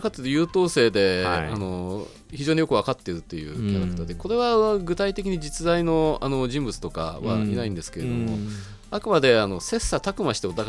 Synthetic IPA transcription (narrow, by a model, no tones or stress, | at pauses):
kat̪ːɨɾɯjɯ̟ːt̪o̞ːse̞ːd̪e̞ano̞ | çiʑo̞ːɲ̟ijo̞kɯβ̞akat̪ːe̞ɾɯ̟t̪ːe̞jɯ̟̰ːkʲaɾakɯ̥t̪ad̪e̞ko̞ɾe̞βaɡɯ̟t̪ait̪e̞kʲiɲ̟id͡ʑit͡sɨzaino̞ano̞d͡ʑĩmbɯ̟t͡sɨ̥t̪o̞ka̰βa̰inaĩnd̪e̞sɨ̥ke̞e̞d̪omo̞ | akɯ̟mad̪e̞ano̞se̞sːat̪akɯ̟maɕi̥t̪eot̪ːa